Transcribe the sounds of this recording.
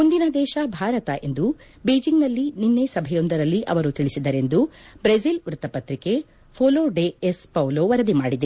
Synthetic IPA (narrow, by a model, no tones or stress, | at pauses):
mund̪inɐd̪ɛːʃɐbʱaːɾɐt̪ɐʔe̞̰nd̪u | beːd͡ʒiŋɡnɐlːininːe̞sɐbʱɛjo̞nd̪ɐɾɐlːiʔɐ̰ʋɐɾut̪iɭisid̪ɐɾe̞nd̪ubɾesilʋɾut̪ɐpɐt̪ɾike | pʰoːloːɖeespɐwloːʋɐɾɐd̪imaːɽid̪e